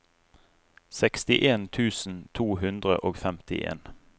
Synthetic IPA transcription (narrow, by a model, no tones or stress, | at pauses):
sɛkst̪ɪʔeːnt̪ʰʉːsn̩t̪ʰuːɦʉnd̪ʁə̰ʔoːɡfɛmt̪ɪʔḛːn